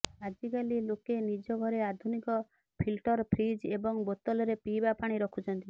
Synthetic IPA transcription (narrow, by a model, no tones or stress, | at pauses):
ad͡ʒikalilokenid͡ʒɔɡʱɔɾead̪ʱunikɔ | pʰilʈɔɾpʰɾid͡ʒebɔŋbot̪ɔlɔɾepibapaɽ̃iɾɔkʰut͡ʃʰɔnt̪i